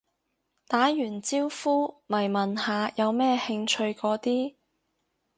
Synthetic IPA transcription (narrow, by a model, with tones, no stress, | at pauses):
t̪aː˨˥jyː˨˩nt͡siː˥wfuː˥mɐ˨˩jmɐ˨nhaː˨˧jɐ˨˧wmɛː˥hɪ˧ŋt͡ʃʰɵ˧ɥkɔː˨˥t̪iː˥